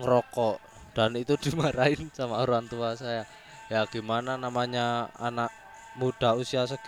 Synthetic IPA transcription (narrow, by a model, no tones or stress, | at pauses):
ŋɾɔkɔʔ | d̪̥anit̪u̥d̪̥umaɾaɪnsamauɾuant̪uasaja | jaɡ̥i̤mananamaɲaa̰naʔ | mud̥a̤usiasəɡ̥